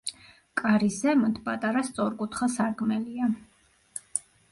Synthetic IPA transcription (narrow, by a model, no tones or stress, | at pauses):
kʼaɾisɛmɔnt̪ʰpʼat̪ʼaɾast̪sʼɔɾkʼut̪ʰχasaɾkʼmɛlia